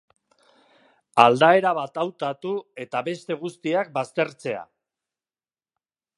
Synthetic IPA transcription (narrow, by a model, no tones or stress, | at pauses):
ald̪ae̞ɾaβ̞at̪awt̪at̪ue̞t̪aβe̞st̪e̞ɣ̞ust̪iak̚bast̪e̞ɾt͡se̞a̰